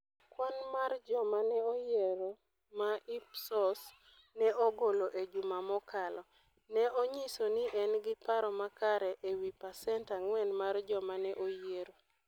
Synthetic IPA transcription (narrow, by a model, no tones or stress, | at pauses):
kwanmard͡ʒɔmanɛojeɾo | maipsɔs | nɛʔoɡoloʔed͡ʒumamɔkalɔ | nɛoɲisonɪʔɛnɡɪpaɾɔmakaɾɛʔewipasɛntaŋwɛnmard͡ʒɔmanɛʔojeɾo